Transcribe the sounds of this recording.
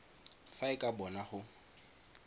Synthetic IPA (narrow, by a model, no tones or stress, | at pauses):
faɪkʼabɔnaχʊ